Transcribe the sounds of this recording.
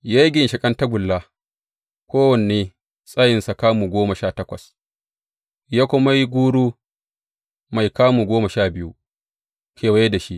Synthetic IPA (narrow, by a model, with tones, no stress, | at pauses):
ja˦ɡʲɪ˨nʃɪ˨kʼɐ˦nta˦ɡʷʊ˨lːaː˦ | kʷoː˦wɐ˨nː˨eː˨ | sʼa˦jɪ˨nsa˨kaː˦muː˨ɡʷoː˦mɐ˨ʃaː˦˨tɐ˦kʷɐ̰˨s | jaː˦kʷʊ˦ma˦ji˦ɡʷuː˦ɽuː˦ | ma˨jkaː˦muː˨ɡʷoː˦ma˨ʃaː˦˨bɪ˦ju˦ | kʲeː˨wa˦je˦da˨ʃi˦ʔ